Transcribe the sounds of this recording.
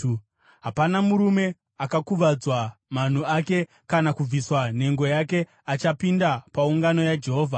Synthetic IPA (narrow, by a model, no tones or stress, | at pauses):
ɦapanamuɾume̞ | akakuʋad͡zwaman̤uake̞ | kanakub͡viswan̤e̞ŋɡo̞jake̞ | at͡ʃapindapauŋɡano̞jad͡ʒe̞ɦo̞ːvʱa